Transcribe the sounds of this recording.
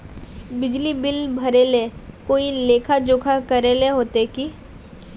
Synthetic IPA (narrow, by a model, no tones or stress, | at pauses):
bɪd͡ʒlibɪlbʱɐɾeːlekoːileːkʰad͡ʒʊːkʰakɐɾeːleɦoːt̪eki